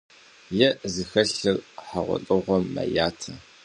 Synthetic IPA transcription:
jɛzɨxɐɬɨrħaʁʷɔ̰tʼɨʁʷɔmːɐ̰jaːtʰɐ

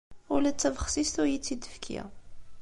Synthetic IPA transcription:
ʊlæt͡sːævəχsist̪ʊɾjit͡sːid̪əfkʰḭ

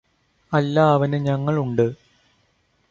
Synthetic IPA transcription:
ɐlːaːʋɐnɨɲɐŋːɐɭuɳɖɨ

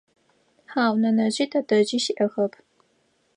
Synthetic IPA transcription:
ħaːwnɐnɐʑiːtʰɐdɐʑiːʃiʔɐxɐpʰ

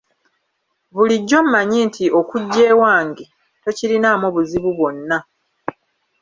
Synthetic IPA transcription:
βuliɟːo̞m̩maɲiːntʰio̞kuɟːe̞ːwaːŋɡe | to̞ciɾinaːmoβuziβuβwo̞nːa

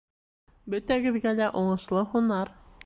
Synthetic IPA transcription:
bɵt̪æɡɘ̆ðɡælæʔoɴɤ̆ʃlˠɤhunɑɾ

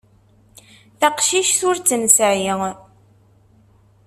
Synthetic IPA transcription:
θaqʃiʃθʊɾt͡sːənsəʕjiŋ

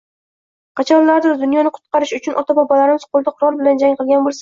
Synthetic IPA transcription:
qʰɑt͡ʃʰɒnlaɾd̪ɪzd̪ʊnjɒnɪqʰʊ̥t̪̚qɑɾɪʃʊt͡ʃʰʊnʔɒt̪ʰabɒbɒlaɾɪmɪz̥qʰolˠd̪aqʰʊɾɒlˠbɪland͡ʒaŋqɨlˠɡʲanbolˠsḁ

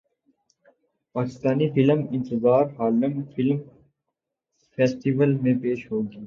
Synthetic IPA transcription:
paːkɪst̪aːnifɪləmɪ̃nt̪ɪzaːɾɦaːlnəmfʰɪlm | fʰeːsʈiʋəlmẽpeːʃɦoːɡiː

